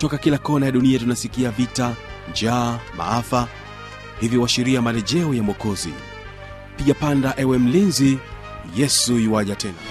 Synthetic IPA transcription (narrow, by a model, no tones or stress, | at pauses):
tɔkakilakɔnajaɗuniatunasikiavita | nd͡ʒaːma̰afa | hivjiwaʃiɾiamalɛʄɛɔjamwɔkɔzḭ | piʄapandaʔɛwɛm̩linzi | jɛsuiwaʄatʰɛna̰